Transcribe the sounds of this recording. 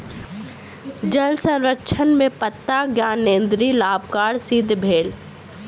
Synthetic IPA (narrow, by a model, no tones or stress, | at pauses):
d͡ʒɐlsɐ̃wɾəkʃʰənmẽpət̪ːaɡjaːnːẽːnd̪ɾilaːbkaːɽsiːd̪ʱbʱeːl